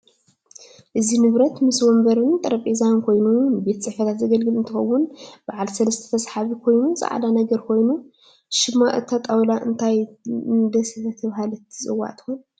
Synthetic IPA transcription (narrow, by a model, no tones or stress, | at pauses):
ʔɨzinɨβɾɐt̪mɨswɔmbɐɾɨnt̪ʼɐɾɐpʼiezankʰo̞jnunɨbe̞t̪sʼɨħfɐt̪ʰat̪zɐɡɐlɡɨlɨnt̪ʰɨxɐwʊnb̥aʕalsɐlɐst̪ʰɐ̥ft̪ʰɐsħaβikʰo̞jnuza̰ʕa̰lanɐɡɐɾkʰo̞jnu | ʃɨmːaʔɨt̪ʰːat̪ʼawlaʔɨnt̪ʰajɨnd̪ɐsɐbɐt̪ʰɐβhalɐt̪ʰsʼɨwa̰ʔt̪ʰɨ̥xon